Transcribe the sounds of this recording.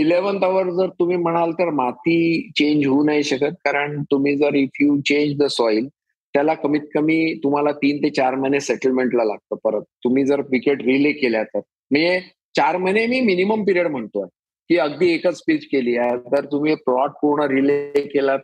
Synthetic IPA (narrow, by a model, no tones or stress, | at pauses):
ileʋənt̪aʋəɾd͡zəɾt̪um̤iːm̤əɽ̃alt̪əɾmat̪ʰiːt͡ɕẽɲd͡ʑɦuːnaɦiɕəkət̪̚kaɾəɳt̪um̤iːd͡zəɾifjuːt͡ɕẽɲd͡ʑd̪əsɔil | t̪jalakəmiːt̪̚kəmiːt̪um̤alat̪iːnt̪et͡ɕaɾməneseʈəlmeɳʈlalaɡ̚t̪əːpəɾət̪̚t̪ːum̤iːd͡zəɾʋikeʈɾilekeljat̪əɾ | m̤əɳd͡ze | t͡ɕaɾməjnemiːminiməmpiɾiəɽm̤əɳt̪oa | kiːəɡd̪iːekət͡spit͡ɕkeliːaɦt̪əɾt̪um̤iːpɾɔaʈ̚koɾɳəɾilekelat̪̚